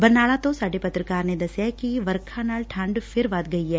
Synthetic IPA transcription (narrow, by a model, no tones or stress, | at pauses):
bɐɾnaːɭat̪osaːɖepɐt̪ɾəkaːɾned̪ɐsjakiʋɐɾkʰanaːlʈʰãːɳɖfʰɪɾʋaːt̪ɡɐiɦɛː